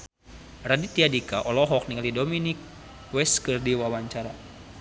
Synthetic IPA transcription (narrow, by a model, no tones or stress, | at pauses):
radit̪iadikaʔɔlɔɦɔk̚nialidominik̚ | wɛskɨrdiwawaɲt͡ʃaɾa